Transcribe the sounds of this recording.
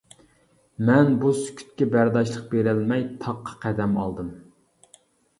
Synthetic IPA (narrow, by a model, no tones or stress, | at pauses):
mɛnbusy̥kʲʰy̥t̪̚kʲɛbæɾd̪ɑʃlˠəq̚beɾɪlmɛjt̪ʰɑqʰːɑ̥qʰæd̪ɛmɑ̰lˠd̪ɨm